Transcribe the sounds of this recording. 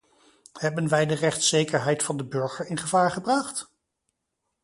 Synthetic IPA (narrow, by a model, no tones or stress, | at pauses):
hɛbənʋɛjdərɛχtsejkəɹɦɛjtfɑndəbɵɹχəɹɪnχəvaːɹχəbrɑχt